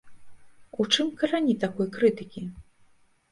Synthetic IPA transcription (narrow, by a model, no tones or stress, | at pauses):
ut͡ʂɨmkɐɾanʲit̪akɔjkɾɨt̪ɨkʲi